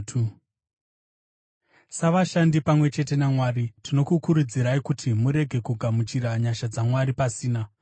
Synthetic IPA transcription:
saʋaʃandipamwe̞t͡ʃe̞te̞namwaːɾitino̞kukuɾud͡ziɾaikutʰimuɾe̞ɡʱe̞kuɡʱamut͡ʃiɾaɲaʃad͡zamwaɾipasiːna

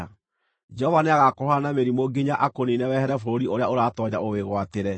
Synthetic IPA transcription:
d͡ʒɛhɔvaneaɣakoɾoanameɾimoɡiɲaʔakoninɛwɛhɛɾɛfooɾiʔoɾeaoɾaːtɔɲaʔoweɣwateɾɛ

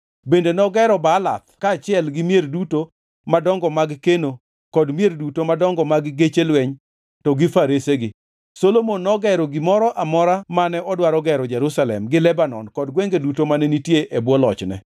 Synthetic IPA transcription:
bendenɔɡɛɾɔbala̰t̪kaːt͡ʃɪɛlɡɪmjerduto | madɔŋɡɔmaɡkeno | kɔdmjerdutomadɔŋɡɔmaɡːet͡ʃelweɲ | tɔɡɪfaɾeseɡɪ | solomonːɔɡɛɾɔɡɪmɔɾɔʔamɔɾamanɛʔɔdwaɾɔɡɛɾɔd͡ʒɛɾusalɛ̰mɡɪlɛbanɔ̰nkɔdɡwɛŋɡedutomanenitjeʔebwɔlɔt͡ʃnɛ̰

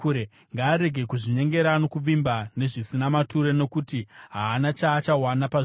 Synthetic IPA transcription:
ɾe | ŋɡaːɾe̞ɡʱe̞kuʐiɲe̞ŋɡe̞ɾano̞kuʋimbane̞ʐisinamatuɾeno̞kutiɦaːnat͡ʃaːt͡ʃawanapa

